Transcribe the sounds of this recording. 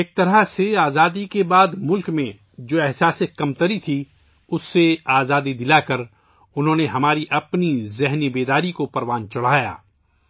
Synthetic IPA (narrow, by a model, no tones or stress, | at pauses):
eːk̚t̪ɐɾəseaːzaːd̪ikebaːd̪mʊlkmẽ | d͡ʒoːɛɦsaːsekɐmt̪əɾit̪ʰi | ʊsːeaːzaːd̪id̪ɪlakɐɾ | ʊnɦõːneɦɐmaːɾiʔɐpnizɛɦnibeːd̪aːɾikopɐɾʋaːnt͡ʃɐɽ̤aːja̰ː